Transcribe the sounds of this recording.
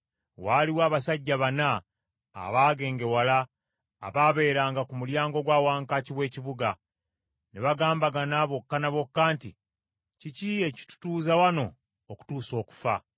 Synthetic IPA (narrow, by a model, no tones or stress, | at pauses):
waːliwaːβasaɟːaβana̰ː | βaːɡe̞ːŋɡe̞wala̰ː | βaːβe̞ːɾaːŋɡakumuljaːŋɡo̞ɡwaːwaːŋkaciβwe̞ːciβuɡa | neβaɡaːmbaɡanaβo̞kːanaβo̞kːaːntḭ | cicie̞ci̥tu̥tuːzawano̞ | oku̥tuːso̞ːku̥fa̰